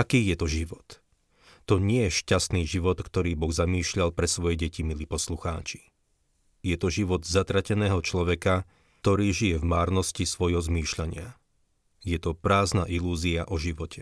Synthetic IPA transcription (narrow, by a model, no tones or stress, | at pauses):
akiːjɛt̪ɔʒiʋɔt̪ː | ɔɲɪɛjɛʃcast̪niːʒiʋɔt̪kt̪ɔɾiːbɔɣzamiːʃʎalpɾɛsʋɔjɛɟɛcimiliːpɔsluxa̰ːt͡ʃi̥ | jɛt̪ɔʒiʋɔd̪zat̪ɾacɛnɛːɦɔt͡ʃlɔʋɛka | t̪ɔɾiːʒijɛvmaːɾnɔscisʋɔjɦɔzmiːʃʎaɲɪa | jɛt̪ɔpɾaːznaːʔiluːziaʔɔʒiʋɔcʰɛ